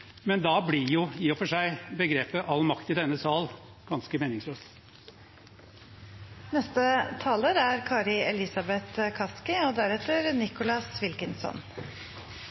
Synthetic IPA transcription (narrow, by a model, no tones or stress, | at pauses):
mɛnd̪ɑːblɪɾjʊiːɔfɔʂæɪbəɡɾeːpəʔɑlmɑkt̪ɪd̪ɛnːəsɑːl | ɡ̥ɑnskəmeːnɪŋsløːs | nɛst̪ət̪ʰɑːləɾæɾkʰɑːɾɪɛlɪsɑbɛt̪kʰɑskɪoːd̪æɾɛt̪ːəɾnɪkʊlɑsʋɪlkənsɔ̰n